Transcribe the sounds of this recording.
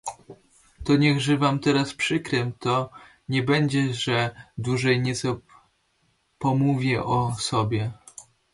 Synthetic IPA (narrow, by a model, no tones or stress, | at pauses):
t̪ɔɲɛɣʐɘvamt̪ɛɾaspʂɘkɾɛmt̪ɔ | ɲɛbɛɲd͡ʑɛʐɛd̪uʐɛjɲɛt̪sɔ | pɔmuvʲjɛʔɔsɔbʲjɛ